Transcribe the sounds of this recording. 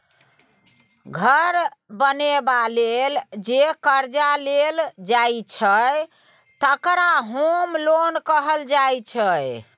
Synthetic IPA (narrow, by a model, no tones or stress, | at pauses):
ɡʱəɾbənebaleld͡ʒekəɾd͡ʒaleld͡ʒajt͡ʃʰəj | t̪əkɾaɦomlonkəɦəld͡ʒajt͡ʃʰəj